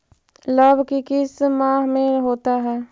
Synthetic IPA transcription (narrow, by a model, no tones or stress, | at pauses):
ləbkikɪsmãːɦmẽɦoːt̪aɦɛː